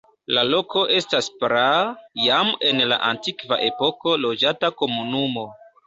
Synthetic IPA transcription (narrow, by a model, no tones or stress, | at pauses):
lalo̞ko̞ʔe̞staspɾajame̞nla̰ʔantikva̰ʔe̞po̞ko̞lo̞d͡ʒatako̞munumo̞